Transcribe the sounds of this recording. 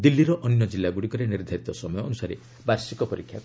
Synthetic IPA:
d̪ilːiɾɔʔɔnjɔd͡ʒilːaɡuɽikɔɾeniɾd̪ʱaɾit̪ɔsɔmɔjɔːnusaɾe | baɾsikɔpɔɾikʰja

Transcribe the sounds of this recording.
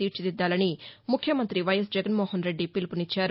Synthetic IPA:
iːɾt͡ʃid̪id̪ːaːlɐnimukʰːjɐmɐnt̪ɾiʋɐjɐs̬d͡ʒɛɡɐnmoːhɐnɾe̞ɖːipilipunit͡ʃːaːɾu

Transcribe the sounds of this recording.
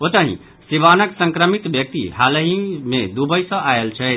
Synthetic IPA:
ot̪əɦḭ̃ | siβanəksə̃ŋkɾəmit̪bjək̚t̪ḭɦaləɦĩmed̪ubəjsə̃ʔaelt͡ʃʰɛt̪

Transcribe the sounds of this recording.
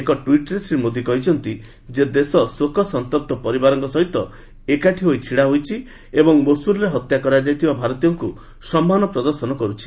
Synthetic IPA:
ekɔʈwiʈɔɾesɾimod̪ʱikɔɦit͡ʃʰɔnt̪i | d͡ʒed̪esɔsokʰɔsɔnt̪ɔɾ̚t̪ɔpɔɾibaɾɔŋkɔsɔɦit̪ɔ | ekaʈʰiɦojt͡ʃʰiɽaɦojt͡ʃʰi | ebɔŋmosuɾɔɾeɦɔt̪jakɔɾad͡ʒajt̪ʰibabʱaɾɔt̪ijɔŋku | sɔmːanɔpɾɔd̪ɔɾsɔnɔkɔɾut͡ʃʰi̥

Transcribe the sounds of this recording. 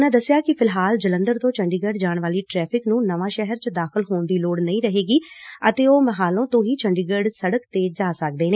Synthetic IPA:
nãːd̪əsːɪjaːkɪpʰɪlɦaːld͡ʒələ̃nd̪əɾt̪õːt͡ʃəɳɖiːɡəɖd͡ʒaːɳʋaːliːʈɾɛːpʰɪknũːnəʋãːʃɛɦəɾt͡ʃəd̪aːxɪlɦoːnd̪iːloːɽnəĩːɾəɦeːɡiːət̪eːoːməɦaːlõːt̪õːɦiːt͡ʃəɳɖiːɡəɖsəɽəkt̪eːd͡ʒaːsək̚d̪eːneː

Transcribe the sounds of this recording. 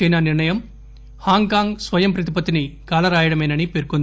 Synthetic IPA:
ɐjnɐniɾɳɐjɐm | haːŋkaːŋɡsʋɐjɐmpɾɐt̪̬ipɐt̪inikaːlɐɾaːjɐɽɐmeːnɐnipeɾkund̪

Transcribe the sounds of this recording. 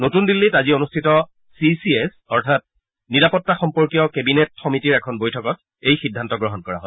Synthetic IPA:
notundilːitazionustʰitɔ | sisiesɔɹtʰat̚ | niɹapɔtːaxɔmpɔɹkijɔkebinetxɔmitiɹɛkʰɔnbojtʰɔkɔt̚ | ejxidʱːantɔɡɹɔɦɔnkɔɹa̰ɦɔj

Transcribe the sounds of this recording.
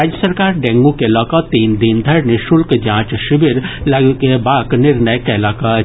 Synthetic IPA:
aːd͡ʒjəsəɾkaːɾɖɛ̃ːŋɡũkelɔːkɔt̪iːnd̪iːnd̪ʱɐɾnɪʃʊlkd͡ʒãːt͡ʃʃɪbɪɾlɐɡkebaːknɪɾnəjkɛːlaːka

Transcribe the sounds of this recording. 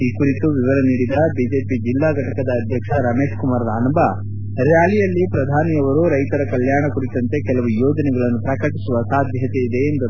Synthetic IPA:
iːkuɾit̪uʋiʋɐɾɐniːɽid̪ɐbiːd͡ʒeːpid͡ʒilːaːɡʱɐʈɐkɐd̪ɐːd̪ʱjɐkʂɐɾɐme̞ːʂkumaːɾd̪aːnɐmbɐ | ɾjaːlijɐlːipɾɐd̪ʱaːnijɐʋɐɾuɾɐjt̪ɐɾɐkɐljaːɳɐkuɾit̪ɐnt̪e̞kɛlɐʋujoːd͡ʒɐnɛɡɐɭɐnːupɾɐkɐʈisuʋɐsaːd̪ʱjɐt̪e̞id̪e̞ːnd̪u

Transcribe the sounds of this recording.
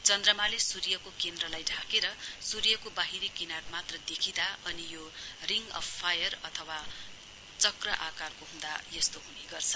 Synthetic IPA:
t͡sʌnd̪rʌmalesurjʌkokend̪rʌlajɖʱakeɾʌsurjʌkobaɦiɾikinarmat̪rʌd̪ekʰid̪aʌnijoriŋɡʌ̰bpʰːajʌrʌt̪ʰʌwa | t͡sʌkrʌʔakarkoɦũd̪ajʌst̪oɦuniɡʌrt͡sʰʌ

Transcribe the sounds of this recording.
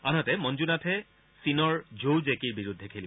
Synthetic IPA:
anɔtɛmɔnd͡ʒunatʰɛ | sinɔɹd͡ʒowzekiɹbiɹudʱːɛkʰeli

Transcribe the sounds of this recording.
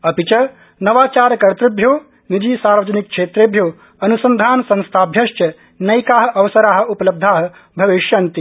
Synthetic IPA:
ɐpit͡ʃɐ | nɐʋaːt͡ʃaːɾkɐɾt̪ɾubʱjoː | nid͡ʒiːsaːɾʋɐd͡ʒɐnik̚kʂeːt̪ɾeːbʱjoː | ɐnusɐnd̪ʱaːnsɐ̃ñst̪ʰaːbʱjɐʃt͡ʃɐ | nɐjkaːɦɐʔɐʋɐsɐɾaːɦɐ̆upɐlɐb̚d̪ʱaːɦɐ̆ | bʱɐʋiʃjɐnt̪i

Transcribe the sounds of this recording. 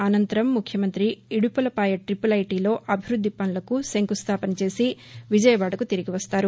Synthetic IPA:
ɐnɐnt̪ɐɾɐmːukʰjɐmɐnt̪ɾiiɽupɐlɐpaːjɐʈɾipɐlɐjʈiːlo̞ːʔɐbʱiɾud̪ʱːipɐnlɐkuseŋkust̪ʰaːpɐnɐt͡ʃe̞ːsi | ʋid͡ʒɐjɐʋaːɽɐkut̪iɾiɡiʋɐst̪aːɾu

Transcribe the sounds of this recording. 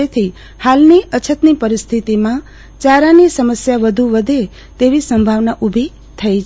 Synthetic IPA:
et̪ʰi | halniʔət͡ʃʰət̪nipəɾɪst̪ʰit̪imã | t͡ʃaɾanisəməsjaʋəd̪ʱuʋəd̪ʱe | t̪eʋisəmbʱaʋnaʔubʱi | t̪ʰəit͡ʃ

